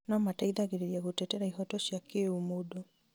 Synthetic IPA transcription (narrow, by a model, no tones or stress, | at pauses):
nɔmataiðaɣeɾeɾiaɣotɛtɛɾaiɦɔtɔʃiakeumodo